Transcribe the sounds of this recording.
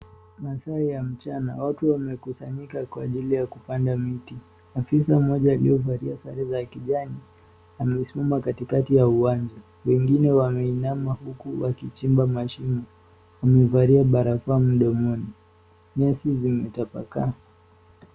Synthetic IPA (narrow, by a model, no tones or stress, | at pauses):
masaijam̩t͡ʃanawatuwamɛkusaɲikakwaʄilijakupandamiti | afisamɔʄaːlḭɔvaɾiasaɾɛzakiʄani | amɛsimamakatikatijauand͡ʒa | wɛŋɡinɛwamɛinamahukuwakit͡ʃimbamaʃimɔ | wamɛvaɾiaɓaɾafam̩ɗɔmɔni | ɲasizimɛtapa̰ka̰